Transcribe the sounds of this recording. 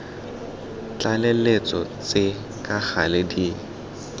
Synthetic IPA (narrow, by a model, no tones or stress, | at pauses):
t͡ɬalelet͡sɔt͡sɪ | kʼaɣalɪdiː